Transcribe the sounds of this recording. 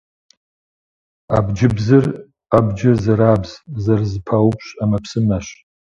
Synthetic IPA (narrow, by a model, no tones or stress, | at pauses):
a̰bd͡ʒɪbzɨr | abd͡ʒɪzaɾabzzarzɨpʰawpʰɕʃʼamapʰsɨmaʃ